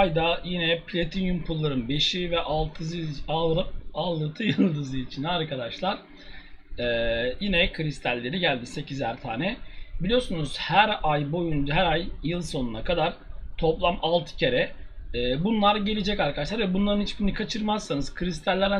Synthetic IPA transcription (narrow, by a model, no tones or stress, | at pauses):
jd̪ajinɛpʰlʲet̪ʰinjumpʰulˠːaɾɯnbe̞ʃivɛʔalˠt̪ʰɯzɯalˠɯp̚alˠːɯt̪ʰɯjɯlˠd̪ɯzɯit͡ʃʰinaɾkʰad̪aʃlˠaɾ̥ | ɛːjinɛkʰɯɾist̪ʰælʲːe̞ɾiɟælʲd̪ise̞cizæɾt̪ʰa̰ːnɛbilʲijo̞ɾsunuz̥hæɾajbo̞junɦæɾajjɯlˠso̞nunakʰad̪aɾ̥t̪ʰo̞plˠamalˠt̪ʰɯ̥cʰe̞ɾɛɛːbunlˠaɾɟe̞lʲed͡ʒɛcaɾkʰad̪aʃ̬lˠaɾvɛbunlˠaɾɯnhit͡ʃbiinikʰat͡ʃʰɯɾmasːanɯz̥kʰɯɾist̪ʰælʲːæɾd̪æ